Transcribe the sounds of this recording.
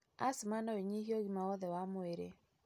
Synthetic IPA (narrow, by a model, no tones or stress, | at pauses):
a̰smanɔeɲihjoɡimaɔðɛwamoeɾḛ